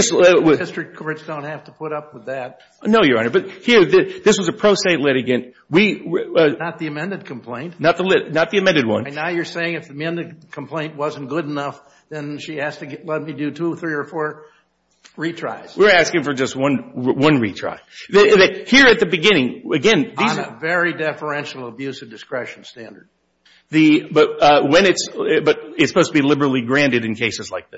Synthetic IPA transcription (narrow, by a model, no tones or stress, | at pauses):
ʌswɪstɹ̥ɨkʰɔɹɨt͡ʃd̥õʊ̃nt̚hæftəpʰʊɾʌp̚wəðæt̚ | noʊjə˞ã̰nɨb̥ʌt̚hiɹðɪðɪswʌzɨpʰɹ̥oʊseɪtˡlɪɾɨɡɛ̃n | wiʌnət̪̚ðiɨmɛ̃ndɨd̚kʰm̩pʰl̥ẽɪ̃nʔnət̪̚ðəlɪɾnət̪̚ðiɨmɛ̃ndɨd̚wʌ̰̃nnaʊjə˞seɪɪ̃ŋɨfðɨmɛ̃ndɨkʰm̩pʰl̥ẽɪ̃nʔ̚wʌz̃n̩ɡ̥ʊɾɨnʌf | ðɨ̃nʃihæstɨɡlɛt̚midɨtʰuθɹiə˞fɔɹ | ɹitʰɹ̥a̰ɪz̥wɪɹæskɪ̃ŋfə˞d͡ʒʌst̚wʌ̃nwʌ̃nɹitʰɹ̥a̰ɪðɨðɨt̚hiɹɨt̪̚ðɨbɨɡɪ̃ɾ̃ɪ̃ŋɨɡɛ̃nðizɨvɛɹidɛfə˞ɛ̃nʃl̩ˠəbjʉsʌvdɨskɹɛʃn̩stæ̃ndə˞d̥ | ðɨbʌt̚wɨ̃nɨtsbʌɾɨtsəpoʊztʰɨbilɪbə˞l̩ˠiɡɹæ̃ntɨɾɨ̃nkʰeɪsɨzlaɪk̚ðɪ